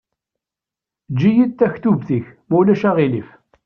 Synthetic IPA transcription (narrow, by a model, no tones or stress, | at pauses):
d͡ʒijit̪ːæçθubθiçmulæʃæʁilif